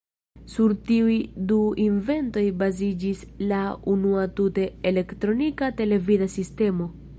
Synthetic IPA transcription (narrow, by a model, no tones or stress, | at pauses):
suɾtiujduinve̞nto̞jbazid͡ʒislaunuatute̞ːle̞ktɾo̞nikate̞le̞vidasiste̞mo̞